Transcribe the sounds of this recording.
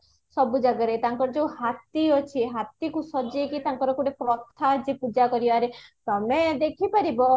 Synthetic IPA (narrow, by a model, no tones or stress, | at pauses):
sɔbud͡ʒaɡaɾet̪aŋkɔɾɔd͡ʒeũhat̪iɔt͡ʃʰiɦat̪ikusɔd͡ʒiekit̪aŋkɔɾɔkuɽepɾɔt̪ʰːad͡ʒipud͡ʒakɔɾibaɾet̪ɔmed̪ekʰipaɾibɔ